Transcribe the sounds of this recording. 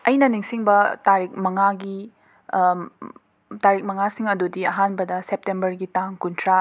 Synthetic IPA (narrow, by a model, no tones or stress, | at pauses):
ɐjnɐniŋsiŋbɐtaɾik̚mɐŋaɡi | taɾik̚mɐŋasiŋɐdudiɐɦanbɐdɐsep̚tembɐɾɡitaŋkuntʰɾa